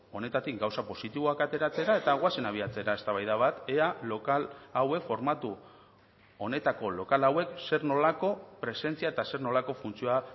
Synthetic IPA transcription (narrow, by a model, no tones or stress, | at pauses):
o̞ne̞t̪at̪ikɡawsapo̞sit̪iβo̞akat̪e̞ɾat͡se̞ɾae̞t̪aɣwase̞naβ̞iat͡se̞ɾae̞st̪aβajðaβ̞at̪ealo̞kalawe̞kfo̞ɾmat̪u | o̞ne̞t̪ako̞lo̞kalawe̞kse̞ɾno̞lako̞pɾe̞se̞nt͡siaet̪ase̞ɾno̞lako̞funt͡sioa